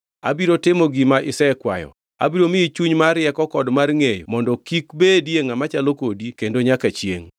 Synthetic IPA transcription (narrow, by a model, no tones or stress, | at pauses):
a̰biɾotɪmɔɡimaʔɪsɛkwa̰jɔ̰ | a̰biɾomɪit͡ʃuɲmaɾjɛkɔkɔdmarŋejmɔndɔkikbedjeŋamat͡ʃalokodikendoɲakat͡ʃjḛŋ